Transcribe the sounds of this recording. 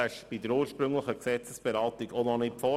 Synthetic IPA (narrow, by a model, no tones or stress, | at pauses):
æʃb̥idəɾuːɾʃpɾɵŋləχəksɛt͡səsb̥eɾɑːt̪iɡononɪfɔ